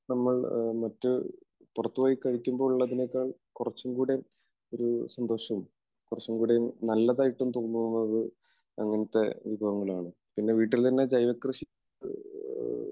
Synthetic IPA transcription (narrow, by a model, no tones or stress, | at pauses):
nɐmːɐɭmɐtːɨ | purɐt̪ːuʋaːjikːɐɻikʲːumbo̞ːɭuɭːɐðine̞kːaːɭkurɐt͡ɕːumkuːɽe̞ | o̞ɾusɐnd̪o̞ːɕɐm | kurɐt͡ɕːumkuːɽenɐlːɐðaːjiʈːumt̪oːnːunːɐðɨ | ɐŋːɐnɐt̪ːe̞ʋibʱɐɣɐŋːɐɭaːɳɨ | pinːe̞ʋiːʈːilt̪ɐnːe̞d͡ʑɐjʋɐkrɨɕi